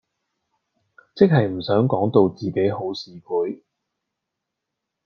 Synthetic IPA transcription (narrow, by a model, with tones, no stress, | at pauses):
t͡sɪ˥k̚ɦɐ˨jm̩˨˩sœː˨˥ŋkɔː˨˥ŋt̪o˨˧wt͡siː˨˩ke˨˥jɦo˨˥wsiː˨˧kʰuː˨˥j